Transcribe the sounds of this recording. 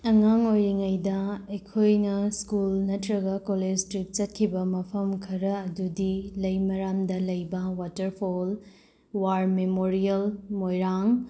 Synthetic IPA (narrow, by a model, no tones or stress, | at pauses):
ɐŋaŋojɾiŋɐjdɐɐjkʰojnɐskulnɐtɾɐɡɐkoled͡ʒstɾik̚t͡ʃɐt̚kʰibɐmɐpʰɐmkʰɐɾɐːdudilɐjmɐɾamdɐlɐjbɐwatɐɾpʰol | waɾmemoɾiɐlmojɾaŋ